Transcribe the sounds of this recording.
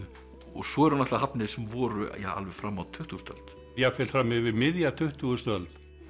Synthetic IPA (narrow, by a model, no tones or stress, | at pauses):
ɔɣsɔɛɾhanaht̪aɦapnɪðsɛmvɔːɾʏ̰ja̰a̰lvɛfɾamːawt̪ʰʏht̪uːst̪œ̰lt̪ | jɛfɛlfɾamːɪɣvɪðmɪðjat̪ʰʏht̪ust̪œlt̪